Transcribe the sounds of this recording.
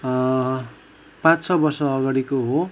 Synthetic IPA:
pãt͡st͡sʰʌbʌrsʌːɡaɽikoɦo

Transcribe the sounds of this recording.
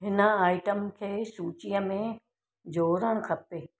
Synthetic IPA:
ɦɪnə̆aːɪʈəmkʰeːsuːt͡ɕijəmẽ | d͡ʑoːɾəɽ̃kʰɐpeː

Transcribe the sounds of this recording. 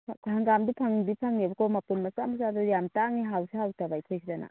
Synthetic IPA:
ɐŋɡamdipʰɐŋdipʰɐŋnibɐkʰomɐpunmɐsamɐsazuɾjamtaŋniɦawsihawtabajkʰojsʰidana̰

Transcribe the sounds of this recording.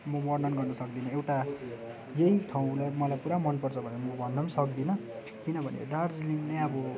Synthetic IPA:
mʌmʌrnʌnɡʌrnʌsʌk̚d̪inʌewʈa | jeiʈʰaw̃lajmʌlajpuɾamʌnpʌrt͡sʰʌbʱʌnemʌbʌnːʌmsʌk̚d̪inʌ | kinʌbʱʌnḛɖard͡ziliŋnejʌbʌ

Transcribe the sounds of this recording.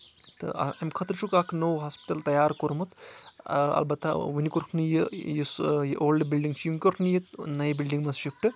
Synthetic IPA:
t̪ɨ̰ɐ̰mkʰɐt̪ɾt͡ʃʰukaːknoːwɦaːspi̥ʈɐlt̪ɐjaːɾkoɾmut̪ | ɐ̰lbɐt̪a̰ʋinikuɾkʰnɨjijisjʔoːlɖbilɖiŋɡt͡ʃʰjuŋkʲokʰnɨjit̪nɐjibilɖiŋɡmɐsʃikʈɨ

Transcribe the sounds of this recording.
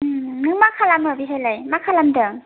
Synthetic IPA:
nɯŋmakʰalamabiɦajlajmakʰalamdɯ

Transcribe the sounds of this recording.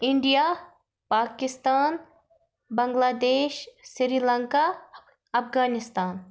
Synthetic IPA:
ɪ̃ɳɖijaː | paːkɪst̪aːn | bɐ̃ŋɡlaːd̪eːʃsɾiːlɐŋka | ɐfɡaːnɪst̪aːn

